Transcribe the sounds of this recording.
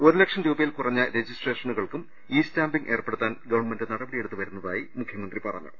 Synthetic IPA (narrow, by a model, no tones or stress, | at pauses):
oɾulekʂɐnɾuːbɐjilkurɐɲːɐɾe̞d͡ʑistreːʂɐnuɣɐɭkum | iːstaːmbiŋɡʔe̞ːrpeɽut̪ːaːnɡɐʋɐɳmendɨnɐɽɐbɐɽije̞ɽut̪ːuʋɐɾunːɐða̰ːjimukʰjɐmɐnd̪ripɐrɐ̰ɲːṵ